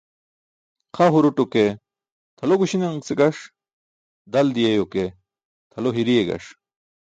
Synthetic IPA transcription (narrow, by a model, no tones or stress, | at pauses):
qʰaɦuɾuʈuke | t̪ʰɐloɡuɕineŋseɡɐʂ | d̪ɐld̪ijejoke | t̪ʰɐloɦiɾijeɡɐ̰ʂ